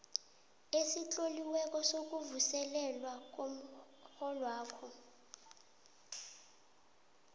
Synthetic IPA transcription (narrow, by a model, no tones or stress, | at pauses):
esit͡ɬʼoliwɛk̬ʼɔsok̬ʼuvusɛlɛlwak̬ʼom̩ | xɔlwaːkʰɔ